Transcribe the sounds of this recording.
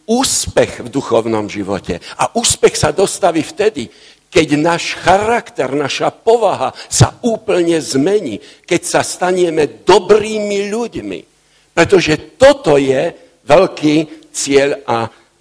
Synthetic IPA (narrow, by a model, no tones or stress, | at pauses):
uːspɛxvd̪uxɔʊnɔmʒiʋɔ̰cɛ̰ʔa̰ʔuːspɛxsad̪ɔst̪aʋiːft̪ɛd̪i | kɛɟnaːʃxaɾakt̪ɛɾnaʃapɔʋaɦasa̰uːpl̩ɲɛzmɛɲḭː | kɛcsast̪aɲɛmɛd̪ɔbɾiːmiʎuɟmḭ | pɾɛt̪ɔʒɛt̪ɔt̪ɔjɛ | ʋɛʎkiː | t͡sɪɛʎa